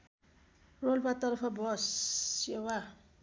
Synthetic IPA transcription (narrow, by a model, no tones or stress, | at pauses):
rolpat̪ʌɾʌpʰʌbʱʌsewa